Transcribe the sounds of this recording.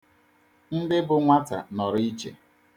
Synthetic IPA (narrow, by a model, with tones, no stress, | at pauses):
n̩˦dɪ˦bʊ˨ŋʷa˦ta̰˨nɔ˨ɾi˦t͡ʃḛ˨